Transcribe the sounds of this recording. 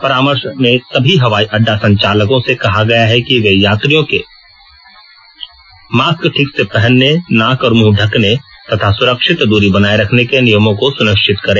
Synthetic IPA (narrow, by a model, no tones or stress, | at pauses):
pɐɾaːməɾʃmẽsɐbʱiɦɐʋaːiʔɐɖːasɐ̃ɲt͡ʃaːləkõsekɐɦaɡɐjaɦɛkiʋejaːt̪ɾijõke | maːskʈʰɪksepɛɦɛnːenaːkɔːɾmũːɖʱɐknet̪ɐt̪ʰasʊɾəkʃɪt̪d̪uːɾibɐnaːeɾɐkʰnekenɪjəmõkosʊnɪkʃʰɪt̪kɐɾẽː